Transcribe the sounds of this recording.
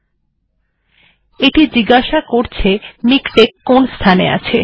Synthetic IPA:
eʈid͡ʑiɡaʃakoɾt͡ɕʰemikʈekːonst̪ʰanea̰t͡ɕʰe

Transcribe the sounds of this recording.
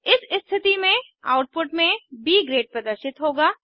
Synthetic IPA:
ɪsɪst̪ʰɪt̪imẽ | a̰ːʊʈ̚pʊʈmẽbiːɡɾeːʈ̚pɾɐd̪əɾʃɪt̪ɦoːɡaː

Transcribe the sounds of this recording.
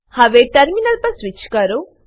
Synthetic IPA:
hɐʋeʈɐɾminɐlpɐsʋit͡ʃːkaɾu

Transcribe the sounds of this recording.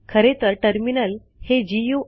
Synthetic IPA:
kʰəɾet̪əɾʈəɾminəl | hed͡ʑiju

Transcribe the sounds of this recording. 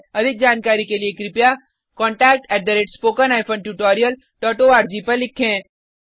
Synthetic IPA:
ɐd̪ʱɪk̚d͡ʒaːnkaːɾikeliekɾɪpja | kɔ̃ːɳʈɛːk̚ʈɛːʈ̚d̪ɐɾeːʈspoːkənaːɪpʰə̃nʈuːʈɔːɾijəl | ʈɔːʈoaːɾd͡ʒipɐɾlɪkʰːẽː

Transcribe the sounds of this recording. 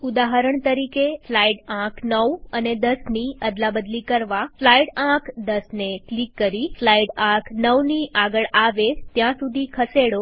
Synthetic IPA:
ud̪aɦəɾəɳt̪əɾikeslaiɖãkʰnəʋəned̪əsniəd̪labəd̪likəɾʋaflaiɽãkʰd̪əsneklikːəɾislaiɖãkʰnəʋniʔaɡəɭaʋet̪jãsud̪ʱikʰəseɽo

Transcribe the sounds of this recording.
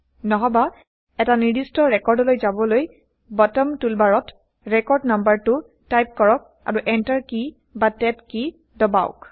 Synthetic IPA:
nɔɦɔba | ɛtaniɹdistɔɹɛkɔɹdɔlojzabɔloj | bɔtɔmtulbaɹɔt | ɹɛkɔɹdnambaɹtʊ | tajp̚kɔɹɔk̚ | a̰ɹuʔɛntaɹki | batɛpki | dɔbaʊk

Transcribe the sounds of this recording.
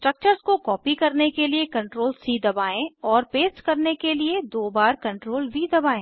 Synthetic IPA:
sʈɾɐk̚t͡ʃəɾzkokɔːpikɐɾnekeliekɐ̃ɳʈɾoːlsiːd̪ɐbaːẽɔːɾpeːsʈkɐɾnekelied̪oːbaːɾkɐ̃ɳʈɾoːlbʱid̪ɐbaːẽː

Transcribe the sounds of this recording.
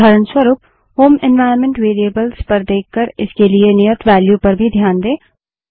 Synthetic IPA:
aːɾənswəɾuːp̚ | hoːmɪ̃nʋaːəɾnmẽɳʈʋeːɾiəbəlspɐɾd̪eːkʰkəɾɪskelienɪjət̪ʋɛːljupɐɾbʱid̪ʱjaːnd̪eː

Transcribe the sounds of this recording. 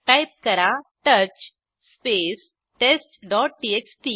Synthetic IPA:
kajp̚kəɾaʈət͡ɕ | spes | ʈesʈɖɔːʈ̚ʈieksʈi

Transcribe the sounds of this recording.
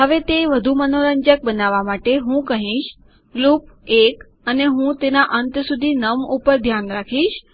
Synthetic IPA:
ɦəʋet̪eʋəd̪ʱumənoɾəɲd͡ʒək̚bənaʋamaʈeɦũkəɦĩʃ | lup̚ek | əneɦũt̪enaʔənt̪sud̪ʱinəmupəɾd̪ʱjanɾakʰiʃ

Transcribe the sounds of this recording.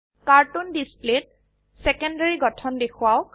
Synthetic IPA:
kaɹtundisplet̚ | sɛkɔndaɹiɡɔtʰɔndexʰʊaʊ

